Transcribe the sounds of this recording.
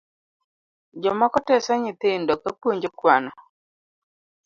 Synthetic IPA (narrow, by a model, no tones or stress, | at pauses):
d͡ʒɔmakɔtɛsaɲɪt̪ɪndɔkapwoɲd͡ʒokwanɔ